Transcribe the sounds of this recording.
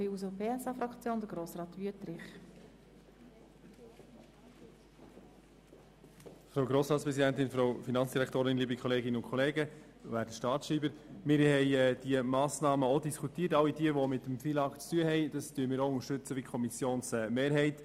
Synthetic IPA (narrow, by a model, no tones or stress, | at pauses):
iuzopʰeːɛsɑfɾɑkt͡sjoːnd̪əɡɾoːsɾɑːt̪ʋyətɾɪχ | fɾowɡɾoːsɾɑːtspɾɛsidæntɪnfɾowfinɑnt͡ssd̥iɾækʰt̪oːɾɪnliːbəkʰχɔleːɡɪnəʊnkʰɔleːɡə | ʋæːɾdəʃtɑːɾtʃiːbəɾmɪːɾhɛɪɛːd̥iəmɑːsnɑːməodiskʰutiːətɑwidiəʋɔmɪtəmfilɑːkt͡styəhɛɪd̥ɑstyːəmɪːɾoʊŋəʃtʏt͡səʋikʰɔmisjoːnsɛːmeːɾɦɛɪt